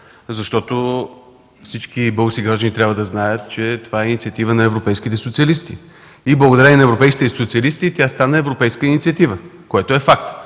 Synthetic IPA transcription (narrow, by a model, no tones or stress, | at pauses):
zɐʃt̪ɔt̪o | fsit͡ʃkibɤlˠɡəskʲiɡɾaʒd̪ənit̪ɾjabvəd̪ɐznajət̪t͡ʃɛt̪ovaɛinit̪siɐt̪ivənɐɛvɾopɛjskit̪ɛsot̪siɐlist̪i | iblˠəɡod̪ɐɾɛninɐɛvɾopɛjskit̪ɛsot̪siɐlist̪it̪ʲast̪anəɛvɾopɛjskəinit̪siɐt̪ivəkoɛt̪oɛfakt̪